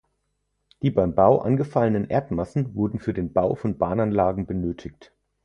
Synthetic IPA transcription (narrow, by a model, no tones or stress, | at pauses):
d̥iːbaɪmbaʊʔa̰nɡəfalənənʔḛːɐtmasn̩vʊɐdn̩fyːɐdeːnbaʊfɔnbaːnanlaːɡŋ̩bənøːtʰɪkt